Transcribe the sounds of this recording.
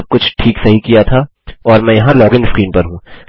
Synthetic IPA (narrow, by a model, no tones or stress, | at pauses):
b̚kʊt͡ʃʰʈʰiːksɐɦikijat̪ʰa | ɔːɾmɛ̃ːjɐɦãlɔːɡɪ̃nɖskɾiːnpɐɾɦũː